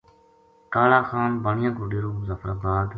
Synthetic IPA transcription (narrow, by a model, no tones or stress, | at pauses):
kaːlaːxaːnbəɳɪjãːkʊɖiːɾoːzəfɾaːbaːd̪